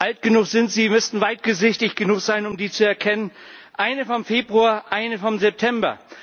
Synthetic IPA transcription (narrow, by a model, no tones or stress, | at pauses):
ʔaltɡ̥ənuːxz̥ɪntz̥iːmʏstn̩vaɪt̚ɡ̥əzɪçtɪçɡ̥ənuːkz̥aɪnʊmdiːt͡suɛɐkʰɛnən | ʔaɪnəfɔmfeːbʁuaɐʔaɪnəfɔmzɛp̚tʰɛmbɐ̰